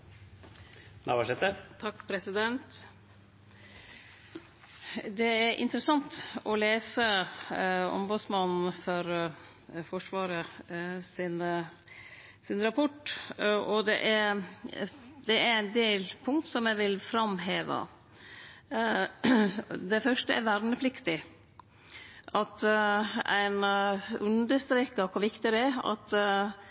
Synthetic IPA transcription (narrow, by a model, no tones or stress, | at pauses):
næʋɑʂɛt̪ət̪ʰɑkːpʰɾɛsɪd̪ɛnt̪ | d̪ɛæɾʔɪ̰nt̪ɾəsɑŋt̪ɔleːsə | ɔ̰mbʉd̪smɑnn̩fɔɾ | fɔʂʋɑːɾəsɪn | sɪnɾɑpʰɔʈːʔɔd̪ɛ̰ʔæɾ | d̪ɛæɾænd̪eːlpʰʊŋt̪sɔmjæɪʋɪlfɾɑmɦeːʋə̰ | d̪ɛfœʂʈəɛ̰ɾʋæɾnəpʰlɪkt̪ɪ | ʔɑt̪ | æ̰ɪnʉnd̪əʂt̪ɾeːkəkʰɔʋɪkt̪ɪd̪ɛæɑ̰t̪